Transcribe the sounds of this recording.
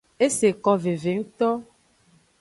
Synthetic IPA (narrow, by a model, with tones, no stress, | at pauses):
e˦se˨kɔ˦ve˨ve˨ŋũ˦t̪ɔ˦